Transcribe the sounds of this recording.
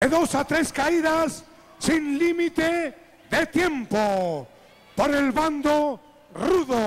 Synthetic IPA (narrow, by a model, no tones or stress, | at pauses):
eðo̞sat̪ɾe̞skaiðasː | inlimit̪e | ðe̞t̪je̞mpo | poɾe̞lβand̪o | ruðo